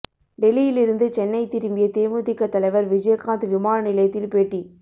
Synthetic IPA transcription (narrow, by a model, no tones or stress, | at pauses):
ɖɛlijɪlɪɾɯnd̪ɯt͡ʃɛnːɐɪt̪ɪɾɯmbɪjɐt̪eːmut̪ɪkːɐt̪ːɐlɐɪʋɐɾʋɪd͡ʒɐjɐkaːnd̪ɯʋɪmaːnɐnɪlɐjɐt̪ːɪlpeːʈːi